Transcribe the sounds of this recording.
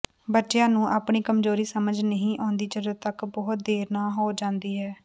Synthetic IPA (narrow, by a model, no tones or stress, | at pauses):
bəʈːʃjãːnũːʔaːpɳiːkəmzoːɾiːsəməd͡ʒnəɦĩːʔɔ̃ːnd̪iːt͡ʃəɾət̪əkbɔːt̪̚d̪eːɾnaːɦoːd͡ʒãːnd̪iːɦɛː